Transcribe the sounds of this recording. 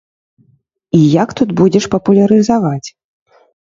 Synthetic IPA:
ijakt̪ud̪bud͡zʲɛʂpɐpulʲɐɾɨzavat͡sʲ

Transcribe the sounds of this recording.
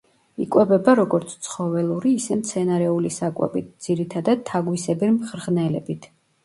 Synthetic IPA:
ikʼwɛbɛbaɾɔɡɔɾt̪sʰt̪sʰχɔvɛlˠuɾiːsɛmt̪sʰɛnaɾɛulisakʼwɛ̰bit̪̚ʰd̪z̥iɾit̪ʰad̪ad̪̚t̪ʰːaɡwisɛbiɾmχɾʁnɛlɛbit̪ʰ

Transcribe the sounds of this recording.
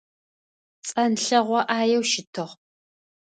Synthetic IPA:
t͡sʼɐnɬɐʁʷɔʔaːjɛwʃɪtʰɨʁ

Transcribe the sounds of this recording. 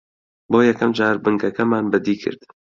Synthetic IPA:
boːjɛkʰɐmd͡ʒaːɾbɨŋɡɐkɐmaːnbɨd̪iːkʰɨ̰ɾd̪̥

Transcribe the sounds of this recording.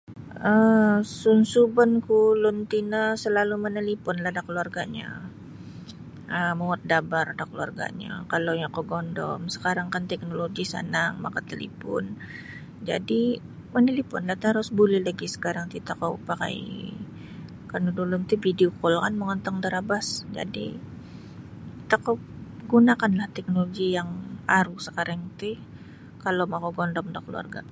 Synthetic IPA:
əsunsubənkulʊnt̪inasəlalumənəlipʊnlahdakəluarɡaɲa̰ | ʔəmoŋət̪̚dabardakəlua̰rɡa̰ɲa̰kalowjakoɡɔndɔ̰msə̥kaɾaŋkant̪ɛk̚noloɡisa̰naŋma̰kat̪əlḭpʊ̰n | d͡ʒa̰di | mənilipʊnlaht̪aɾʊsbulɛhlaɡisə̥kaɾaŋt̪it̪akowpaka̰j | kanudulʊmt̪ubidiokɔlkanməŋɔnt̪ɔŋd̪əɾabasd͡ʒa̰dḭ | t̪akow | ɡunakanlaht̪ɛk̚noloɡijaŋaɾusəkaɾaŋt̪i | kalomakoɡɔndɔmdakəlua̰rɡa̰

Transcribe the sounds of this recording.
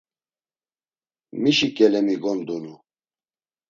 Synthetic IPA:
miʃikʼɛlɛmiɡɔnd̪unu

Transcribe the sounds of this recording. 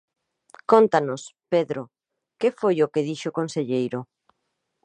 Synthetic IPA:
kont̪anʊspeðɾʊ | kefojʊkeðiʃokonseʎejɾʊ

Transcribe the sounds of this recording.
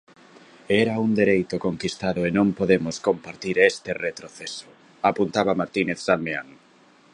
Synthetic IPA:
ɛɾaund̪eɾejt̪ʊkoŋkist̪aðʊenõmpoðemʊskompaɾt̪iɾest̪eret̪ɾoθesʊ̥ | apunt̪aβamaɾt̪ineθsammea̰ŋ

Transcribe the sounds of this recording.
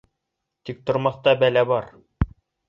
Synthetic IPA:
t̪ik̚t̪ŏɾmɑθt̪ɑbælæbɑɾ

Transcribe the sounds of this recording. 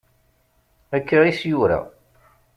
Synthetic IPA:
ækːaʁisjʊɾa̰

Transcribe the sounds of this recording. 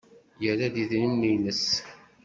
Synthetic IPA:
jəɾæd̪iðnimːijnəs

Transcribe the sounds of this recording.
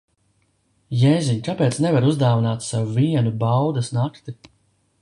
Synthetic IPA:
jɛːziɲkapɛːt̪snɛvaɾuzd̪aːvinaːt̪sawuviɛnubawd̪ɐsnakt̪i

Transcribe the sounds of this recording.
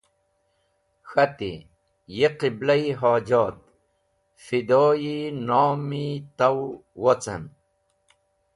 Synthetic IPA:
xat̪ḭ | jiqiblajɦaːd͡ʑaːt̪̚ | fid̪oːjinaːmit̪awwot͡sa̰n

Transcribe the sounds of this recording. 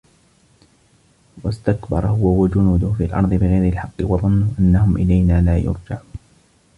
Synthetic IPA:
wast̪akbɑ̰ɾˤɑhʊwawad͡ʒʊnuːd̪ʊhfiːalʔɑ̰ɾˤd̪ˤɨbɪɣajɾɪlħɑqːɨwɑðˤʊnːʊʔanːahʊmʔɪlajnaːlaːjʊ̰ɾˤd͡ʒaʕuːnn

